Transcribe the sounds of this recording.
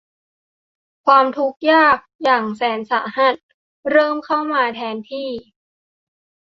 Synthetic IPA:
kʰwaː˧mt̪ʰu˦˥k̚jaː˥˩k̚jaː˨˩ŋsɛː˩˦nsaː˩˦ɦa˧˥˩t̪̚ | ɾɤː˥˩mkʰa˥˩wmaː˧t̪ʰɛː˧nt̪ʰiː˥˩

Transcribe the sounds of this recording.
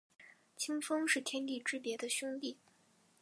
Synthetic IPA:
t͡ɕʰi˥ŋfɤ˥ŋʂɻ̩˥˩t̪ʰjɛ˥nt̪i˥˩ʈ͡ʂɻ̩˥pjɛ˧˥d̪ə˧ɕʊ˥ŋli˥˩

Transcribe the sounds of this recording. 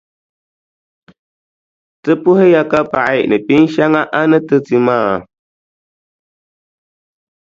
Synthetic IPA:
tɨ˦pu˦he˦ja˦ka˦pa˨ʔa˨ʔnɨ˨pi˦n˦ʃa˦ŋa˦ʔa˦nɨ˦tɨ˦ti˨maː˦˨

